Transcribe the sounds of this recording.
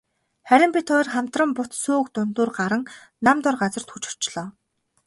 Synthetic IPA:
χæɾʲɪ̆mpʲit̪χɔrχam̥t̪rə̆mpʊt̪suːkt̪ʊnt̪uːrɢaɾə̆ŋnamt̪ʊrɢat͡sə̆r̥t̪xut͡ɕʊ̥̆r̥t͡ɕɮɔː

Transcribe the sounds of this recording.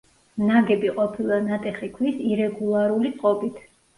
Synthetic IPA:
naɡɛbiqʼɔpʰilˠanat̪ʼɛχikʰwisiɾɛɡulˠaɾulit̪ʼqʼɔbit̪ʰ

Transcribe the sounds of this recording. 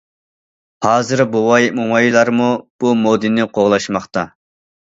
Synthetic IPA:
hɑːzɨɾbowɑjimoŋɑjilˠɑɾmub̥umod̪ɨnːɪqʰoʁlˠɑʃmɑχt̪ɑ

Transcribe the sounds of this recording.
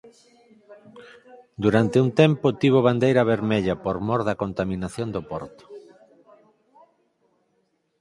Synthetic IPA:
d̪uɾant̪eunt̪ɛmpʊt̪iβ̞oβand̪ejɾɐβeɾmeʎɐpoɾmɔɾðɐkont̪amĩnaθjond̪opɔɾt̪o̥

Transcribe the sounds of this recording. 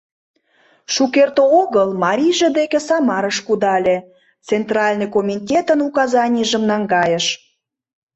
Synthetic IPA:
ʃukert̪ooɣəlmɑɾʲiʒə̆d̪ekesɑmɑɾəʃkud̪ɑlʲe | t͡sent̪rɑlʲnɨjkomʲitʲet̪ənukɑzɑnʲiʒə̆mnɑŋɡɑjəʃ

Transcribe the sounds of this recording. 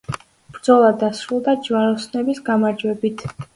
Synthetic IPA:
b̥ɾd̪zɔlˠad̪asɾulˠd̪ad͡ʒvaɾɔsnɛbisɡamaɾd͡ʒwɛbit̪ʰ

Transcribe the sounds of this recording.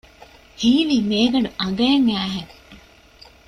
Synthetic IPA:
hiːliːmeːɡɐɖuʔɐŋɡɐːŋæːɦeŋ

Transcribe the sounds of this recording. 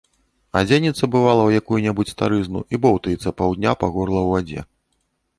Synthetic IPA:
ad͡zʲenʲit̪sɐbɨvalˠɐwjakujunʲɛbut͡sʲst̪aɾɨznṵʔibɔwt̪ɐit̪sːɐpawd̪ʲnʲapaɣɔrlˠɐwvad͡zʲɛ̰

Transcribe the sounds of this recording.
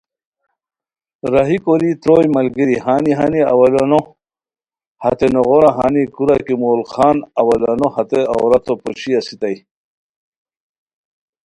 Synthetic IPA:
ɾaɦikoɾit̪ɾojmɐlɡiɾiɦaːniɦaniɐ̰wɐlano | hɐt̪enoʁoɾaɦa̰nikuɾakimoːlxaːnɐwɐlanohɐt̪ea̰wɾɐt̪opoɕiasit̪aj

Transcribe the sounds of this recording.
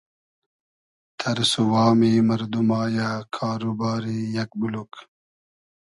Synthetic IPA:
t̪ʰɐɾsuwaːmiːmɐɾd̪umaːjaːkʰaːɾubaːɾijɐk̚buluk

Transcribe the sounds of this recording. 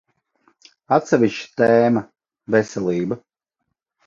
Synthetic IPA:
at̪ʲsʲɛvʲist͡ʃt̪ɛːma | vɛsɛlˠiːba

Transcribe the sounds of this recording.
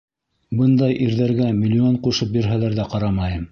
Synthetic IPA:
bɤnd̪ɑjʔiɾðæɾɡæmʲilʲːioɴquʃɤpjɵ̆ɾɦælæɾðæqɑɾɑmɑjɤm

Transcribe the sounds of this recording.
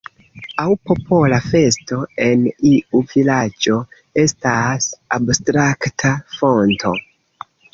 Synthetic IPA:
awpo̞pʰo̞lafe̞sto̞e̞niuvilad͡ʒo̞ | e̞stasabstɾaktʰafo̞ntʰo̞

